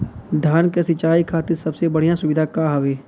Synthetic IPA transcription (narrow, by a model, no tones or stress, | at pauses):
d̪ʱjaːnkesɪt͡ʃaːikʰaːt̪ɪɾsɐbsebɐɽ̤ijãsʊʋɪd̪ʱakaɦɐʋeː